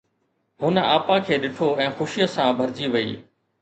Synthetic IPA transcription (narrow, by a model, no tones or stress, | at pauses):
ɦʊnəaːpãkʰeːɗɪʈʰoɛ̃ːxʊʃɪjəsãbʱɐɾd͡ʑiʋɐḭː